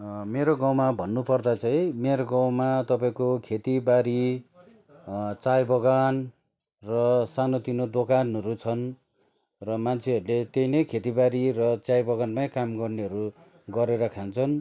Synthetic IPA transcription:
meɾoɡaw̃mabʱʌnːupʌrd̪at͡sʌĩmeɾoɡaw̃mat̪ʌpaĩkokʰet̪ibaɾi | t͡sajbʌɡan | rʌsanot̪inod̪okanʌɾut͡sʰʌn | rʌmant͡sʰeʌɾulet̪ejnʌjkʰet̪ibaɾirʌt͡sajbʌɡanmakamɡʌrneɦʌɾu | ɡʌɾeɾʌkʰant͡sʰʌn

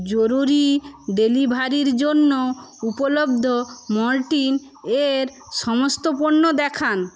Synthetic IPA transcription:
d͡ʑoɾuɾiɖelibʱaɾiɾd͡ʑonːoupolobd̪ʱomɔɾʈin | eɾ | ʃɔmost̪opoɾnod̪ɛkʰan

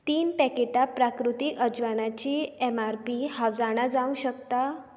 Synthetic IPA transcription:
t̪iːnpɛkeʈapɾakɾut̪ikəd͡ʑʋanat͡ɕiɛmaɾpihaʋd͡zaɽ̃ad͡zaʋũɕəkt̪a

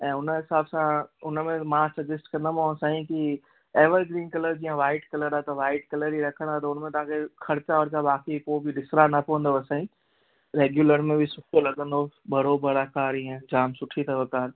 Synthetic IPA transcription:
ɛ̃ːʊnɦɪsaːbsãʊnmẽmãsɐɡd͡ʒəsʈkɐ̃nd̪amõsãːĩki | eːʋəɾɡɾiːnkɐləɾd͡ʑiːə̃ʋaːɪʈkɐləɾat̪ɐʋaːɪʈ̚kɐləɾiɾɐkʰə̃nd̪at̪̬ɐʊnmẽt̪ɐɦãkʰekʰɐɾt͡ʃaɐɾt͡ʃaʋaːkipoːbʱiɗɪsɾanɐpɐʋə̃nd̪oɐsãːĩ | ɾeːɡjuːləɾmẽbʱisʊʈʰolɐɠə̃nd̪oːbɐɾoːbəɾakaːɾiɦẽd͡ʑaːmsʊʈʰit̪ʰɐʋɐkaːɾ

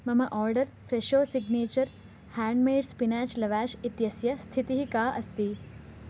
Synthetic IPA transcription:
mɐmɐʔɔːɾɖɐɾfɾeʃoːsiɡneːt͡ʃɐɾ | hæːɳɖmeːɖspinaːt͡ʃlɐʋaːʃit̪jɐsjɐst̪ʰit̪iɦikaːʔɐst̪iː

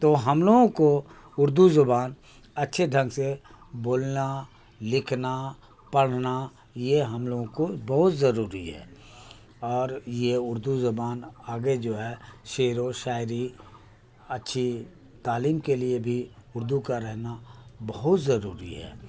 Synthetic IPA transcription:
t̪oɦɐmloːɡõko | ʊɾd̪uzʊbaːn | ɐtːʃʰeɖʱə̃ŋɡse | boːlna | lɪkʰna | pɐɽ̤na | jeɦɐmloːɡõkobɐɦʊt̪zɐɾuːɾiɦɛ̰ː | ɔːɾjeʊɾd̪uzʊbaːnaːɡed͡ʒoːɦɛʃeːɾoʃaːɪɾi | ɐtːʃʰi | t̪aːliːmkeliebʱiʊɾd̪ukaɾɛɦnabɐɦʊt̪zɐɾuːɾḭɦɛ̰ː

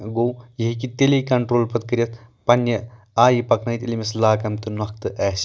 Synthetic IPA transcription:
ɡoːjɐɦikit̪elekɐɳʈɾoːlpɐt̪̚kɐɾʲjɐt̪̚ʰpɐnːjɐ | aːjipɐknɐjt̪ʲilʲimislaːkɐmt̪ɨnɐk̚t̪ɨʔɛːs

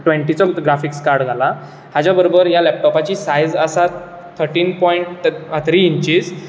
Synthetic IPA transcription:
ʈʋẽɳʈit͡sɔɡɾafikskaɾɖɡʱala | had͡ʑjabəɾobəɾjalɛp̚ʈɔpat͡ɕiːsajd͡zəsa | t̪ʰəɾʈiːnpɔiɳʈat̪ʰɾiːɲt͡ɕiz

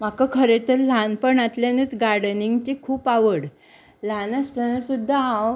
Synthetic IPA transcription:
m̤akakʰəɾet̪əɾlanpəɳat̪ljanət͡sɡaɾɽəniŋɡt͡ɕikʰuːpaʋəɽ | lanast̪ənəsud̪ʱːaaw

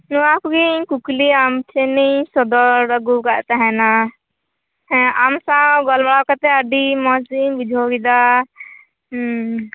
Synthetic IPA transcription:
nuakɡikukliamt͡ʃʰɛnijsɔd̪ɔɾəɡuɡaʔt̪aɦɛna | ɛamsãɡɔlbaɽawkat̪ɛəɖimɔzimbid͡ʒʱoɡid̪a

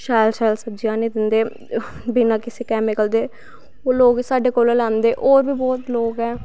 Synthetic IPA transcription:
ʃaːjlʃaːlsəb̚d͡ʒijãːnĩːd̪ɪnd̪eː | biːnãːkɪseːkɛːmɪkəld̪eː | oːloːɡsaːɖeːkoːlːlɛ̃ːnd̪eːʔoːɾbiːbɔːt̪loːɡɛː

